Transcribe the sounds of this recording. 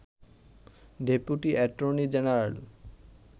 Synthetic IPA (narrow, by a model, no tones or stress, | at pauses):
ɖepjuʈiʔɛʈɾonid͡ʑenaɾal